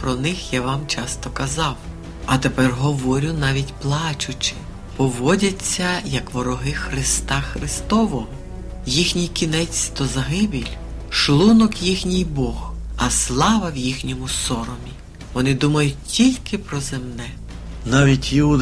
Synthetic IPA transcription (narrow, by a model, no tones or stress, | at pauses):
pɾɔnɪxjaʋɑmt͡ʃɑst̪ɔkɐzɑw | ɐt̪epɛrɦɔʋɔɾʲʊnɑʋʲitʲplˠɑt͡ʃʊt͡ʃɪ̥ | pɔʋɔdʲɐt͡sʲːɐjɐkʋɔɾɔɦɪxɾɪst̪ɑxɾɪst̪ɔʋɔɦɔ | jixnʲijkʲinɛt͡sʲt̪ɔzɐɦɪbʲilʲ | ʃlˠunɔkjixnʲijbɔxɐslˠɑʋɐwjixnʲɔmʊsɔɾɔmʲi | ʋɔnɪd̪umɐjʊt̚ʲtʲilʲkɪpɾɔzemnɛ | nɑʋʲitʲjiud̪